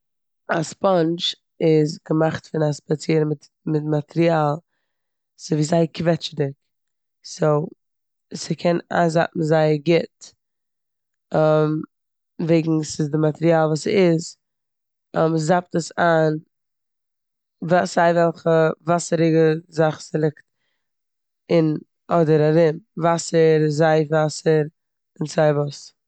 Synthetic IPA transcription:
aspɔnt͡ʃ | ɪzɡəmaχtfɪnaspɛt͡sjɛlˠmɪt | mɪtmatʰɾialˠ | soviːzaɪkvɛt͡ʃədɪk̚ | soʊ | sɪkʰɛna̰za̰pm̩zaɪəɡɪt | m | veɪɡŋ̩sɪzdɪmatɾialˠvuːsɪz | mzap̚təsan | vasaɪvɛlˠχəvasəɾɪɡəzaχsɪlˠɪkt | ɪn | ɔdəɾavɪmvasəɾzaɪvasəɾ | ɪnsaɪvʊs

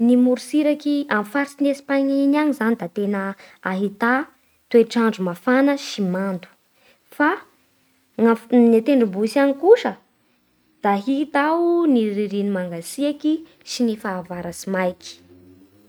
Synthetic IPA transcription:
nimuɾusiɾakiamfaɾisinesi̥paɲinanizanid̪at̪enəaɦit̪a | t̪ueʈ͡ʂaɳɖ͡ʐumafanəʃimand̪u̥ | fa | ŋanet̪eɳɖ͡ʐumbuisanikuʃə | d̪̥aɦit̪awniɾiɾinimaŋɡasiaki | sinifaːvaɾasimajki̥

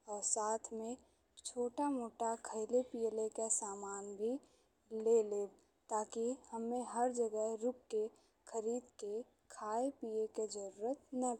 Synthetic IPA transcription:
ɔːɾsaːt̪ʰmẽ | t͡ʃʰoːʈamoːʈakʰəɪlepilekasaːmaːnbʱi | leleː | t̪aːkihɐmːẽɦɐɾd͡ʒəɡəɦɾʊk̚ke | kʰəɾiːd̪ke | kʰaːepiːeked͡ʒəɾuːɾət̪nə

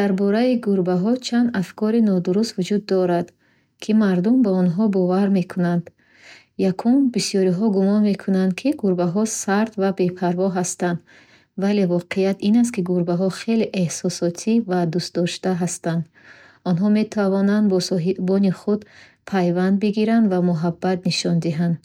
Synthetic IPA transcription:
d̪aɾbɔɾaiɡuɾbaɦɔt͡ʃʰand̪afkʰɔɾinɔd̪uɾust̪vud͡ʒud̪ːɔɾad̪ | kʰimaɾd̪umbaɔnɦɔbɔvaɾme̞kʰunand̪ | jakʰumbisijɔɾiɦɔɡumɔnme̞kʰunand̪̚kʰiɡuɾbaɦɔsaɾt̪vabe̞pʰaɾvɔɦast̪and̪ | vale̞vɔqʰeat̪inas̬t̪kiɡuɾbaɦɔχe̞leʔehsɔsɔt̪ʰivad̪ust̪̚d̪ɔʃt̪aɦast̪and̪ | ɔnɦɔme̞t̪ʰavɔnand̪bɔsɔɦibɔniχud̪ | pʰajvand̪̚biɡiɾand̪vamuɦabːat̪niʃɔnd̪iɦand̪

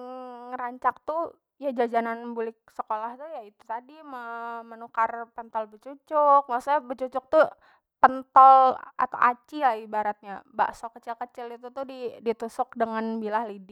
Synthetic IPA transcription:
raɲt͡ʃak̚t̪u | jad͡ʒad͡ʒananbulɪk̚səkolaht̪ujait̪u̥t̪adiməmənukarpənt̪ɔlbət͡ʃut͡ʃʊk̚masuabət͡ʃut͡ʃʊk̚t̪u | pənt̪ɔla̰t̪aʔat͡ʃilaibaɾat̪̚ɲaba̰ʔsokət͡ʃɪlkət͡ʃɪlit̪ut̪udidit̪usɔk̚dəŋanbilahlidɪ

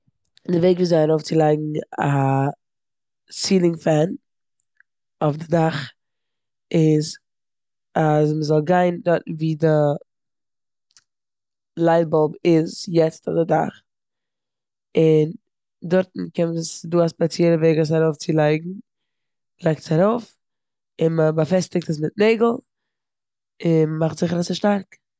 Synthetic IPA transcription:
dɪveɪkviːzaɪɾoʊft͡sɪlˠaɪɡŋ̩a | siːlˠɪŋfɛn | ɔfdɪdaχ | ɪz | asməzɔlˠɡaɪndɔɾtn̩viːdɪ | lˠaɪt̚bɔlˠbɪzjɛt͡stʊfdɪda̰χ | ɪn | dɔɾtn̩kɛnsduːaspɛt͡sjɛlˠəveɪɡls̬aɾoʊft͡sɪlˠaɪɡŋ̩ | lˠaɪk̚tsaɾoʊf | ɪnməbafɛstɪk̚təs̬mɪt̚neɪɡl̩ˠ | ɪnmmaχtz̥ɪχəɾasɪʃtaɾk

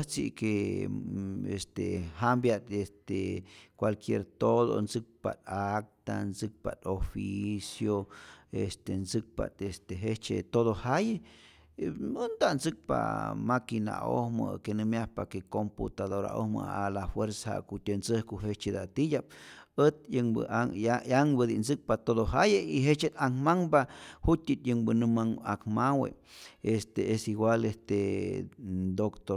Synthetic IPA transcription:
ht͡siʔke | est̪eɦambjat̪est̪ekwalkjeɾt̪odo̰nt͡sɨk̚pa̰t̪ak̚t̪anzɨk̚pa̰t̪ofisjoest̪ensɨk̚pa̰t̪est̪eɦet͡ʃḛt̪oðohaje | ənd̪anzɨk̚pa̰makina̰o̰hmɨ̰kenɨmjahpakekompṵt̪aðoɾa̰ʔo̰hmɨ̰alafweɾsaha̰kut̪ʲənt͡səhkuɦeht͡ʃed̪at̪ijap̚ət̪jəŋb̰aaŋbəd̪int͡sɨk̚pat̪oðoɦajeiɦet͡ʃet̪aŋmaŋbahut̪ʲit̪jəŋbənɨmaŋa̰kmawḛest̪eesiɡwʷalest̪e | d̪okt̪o

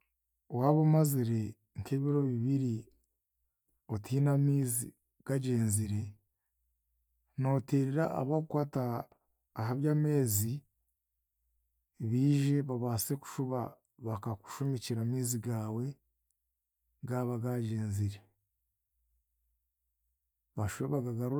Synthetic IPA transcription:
waːβomaziɾe̞ | ŋke̞ːβiɾo̞βiβiɾi | otʰiːnamiːzi | ɡ̥aɟe̞ːnziɾe̞ | no̞te̞ːɾeɾa̰ːβakwaːtaː | ɦaβjaːme̞ːzi | βiːʒe̞βaβaːseku̥ʃuβa | βakaku̥ʃumiciɾamiːziɡaːwe̞ | ɡaːβaɡaɟe̞ːnziɾe | βaʃuβeβaɡaɡaɾu

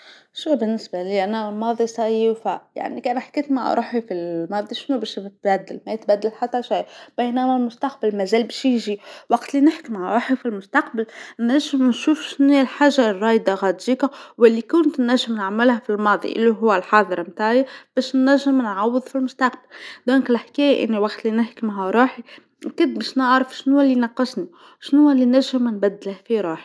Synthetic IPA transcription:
ʃubɪnːɪsbaliʔænælmɑːðˤisˤɑjiwfæja̰ʕnikʔænæħkiːt̪maʕ̰ɾˤʔuːħifilmɑːd̪ˤiʃnubæːʃbɪt̪̚bæd̪ːælmæjɪt̪bæːd̪ːælħat̪ːæʃajb̥æjnæmælmʊst̪ɑqbalmæzæːlbɛːʃjiʒiwɑqt̪linɪħkmaʕɾˤuːħifilmʊst̪ɑqbalnːæʒːɪmnʃuːfʃnilħaːʒːarˤːɑːjd̪ɑɣæd̪d͡ʒiːkawɪlːikuːnt̪næʒːɪmnaʕmɪlhæfilmɑːðˤḭʔɪ̰lːiɦʊwːælħɑːðˤəɾˤmt̪aːʕjab̥æːʃnːæʒːɪmnʕɑwːəðˤfilmʊst̪ɑq̚bald̪ɔ̃ːŋklħkæːjæʔɪ̰nːiwɑqt̪linɪħkmaʕaɾˤuːħi | kid̪̚bɛːʃnəʕɾəfʃnʊwːælːinɑqːɑsni | ʃnʊwːælːinæʒːɪmnbæd̪ːɪlhfiɾˤuːħi̥

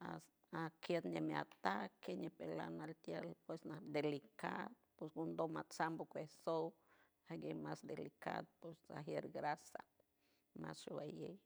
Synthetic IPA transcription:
as | akjed̪ɲemjat̪akeɲepela̰nalt̪jelpwesnad̪elikad̪pwesɡund̪omat͡sambokʷesow | aɡemasd̪elika̰d̪̚pwesa̰ɦjeɾɡɾasa̰ | ma̰sɾwajej

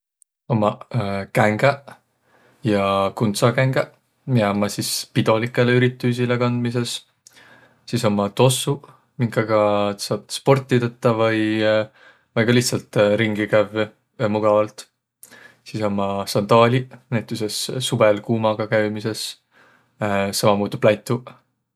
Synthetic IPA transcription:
omɑkæŋɡ̥æ | jɑkunt̪sɑkæŋɡ̥æ | miɑmɑsispid̪o̞likːˑeleyɾit̪ːˑys̬ilekɑnd̪̥mis̬e̞s | siso̞mɑt̪o̞sːu | miŋkɑɡ̥ɑsɑt̪spo̞rt̪ʲːˑit̪et̪ːɑvɤj | vɑjkɑliht̪sɑlt̪ːˑɾiŋɡikæv | muɡɑvɑlt̪ˑ | siso̞mːɑsɑnd̪ɑːlʲimet̪ːˑysesːub̥elkuːmɑɡ̥ɑkævmise̞s | sɑmɑmuːt̪ːuplæjt̪ːˑu

